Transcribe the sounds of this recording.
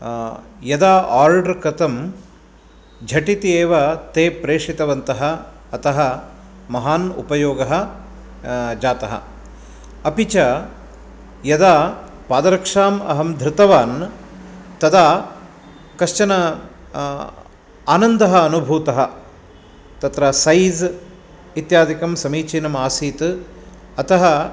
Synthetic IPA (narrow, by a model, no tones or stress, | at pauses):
jɐd̪aːʔaːɾɖɐɾkɾɐt̪ɐm | d͡ʒʱɐʈit̪ieːʋɐt̪eːpɾeːʂit̪ɐʋɐnt̪ɐɦɐ̆ː | ɐt̪ɐɦɐ | mɐɦaːnṵpɐjoːɡɐɦɐ̆ | d͡ʒaːt̪ɐɦɐ̰ | ɐpit͡ʃɐ | jɐd̪aː | paːd̪ɐɾɐkʂaːmɐ̰ɦɐmd̪ʱɾɪt̪ɐʋaːn | t̪ɐd̪aː | kɐʃt͡ʃɐnɐ | aːnɐnd̪ɐɦɐːnubʱuːt̪ɐɦɐ | t̪ɐt̪ɾɐsɐjz | it̪jaːd̪ikɐmsɐmiːt͡ʃiːnɐmaːsiːt̪ | ɐt̪ɐɦɐ